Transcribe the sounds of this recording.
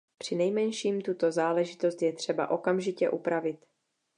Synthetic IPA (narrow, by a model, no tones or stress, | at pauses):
pr̝̥ɪnɛjmɛnʃiːmt̪ut̪o̞zaːlɛʒɪt̪o̞st̪jɛt̪r̝̥ɛba̰ʔo̞kamʒɪcɛ̰ʔupɾavɪt̪